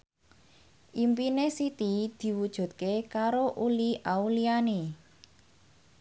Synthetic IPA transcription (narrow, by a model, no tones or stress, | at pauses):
ʔimpinesit̪id̪̥i̤wud̥ʒ̥ṳt̪̚kekaɾoʔuliʔauliane